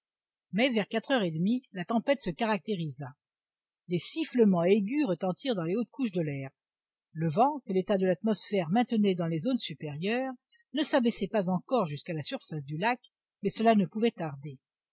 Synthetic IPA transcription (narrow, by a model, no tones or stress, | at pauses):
mɛvɛʁkat̪χœʁed̪milat̪ɑ̃pɛt̪səkaʁak̚t̪eʁiza | lesifləmɑ̃eɡʲyʁət̪ɑ̃t̪iʁd̪ɑ̃leot̪̚kuʃ̬d̪əlɛːʁ | ləvɑ̃kəlet̪ad̪əlat̪mɔsfɛʁmɛ̃t̪ənɛd̪ɑ̃lezonsypeʁjœʁ | nəsabɛsɛpazɑ̃kɔʁʒyskalasyʁfas̬d̪ylak | mɛsəlanəpuvɛt̪aʁd̪e